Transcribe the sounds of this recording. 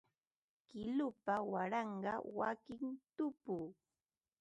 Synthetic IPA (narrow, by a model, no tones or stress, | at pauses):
kɪlʊpawaɾɑɴɢɑwakɪŋt̪ʊpuː